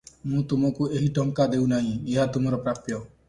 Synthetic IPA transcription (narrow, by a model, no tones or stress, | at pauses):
mũt̪umɔkueɦiʈɔŋkad̪ewnaɦĩeɦat̪umɔɾɔpɾapjɔ